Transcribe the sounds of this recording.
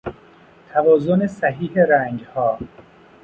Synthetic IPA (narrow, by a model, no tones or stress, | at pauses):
t̪ʰævɒːzonesæɦiːheɾæːŋd͡ʒhɒː